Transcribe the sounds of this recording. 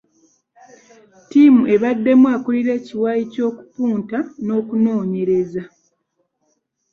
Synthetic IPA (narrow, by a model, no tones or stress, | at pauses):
timuʔe̞βadːe̞mwaːkuliɾe̞ːciwajico̞ːku̥puːntano̞ːkuno̞ːɲe̞ɾe̞za